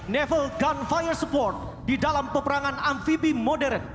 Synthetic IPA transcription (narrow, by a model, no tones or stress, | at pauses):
nɛfəlɡanfajərsəpɔrt̪̚ | didalampəpəɾaŋanamfibimodɛɾən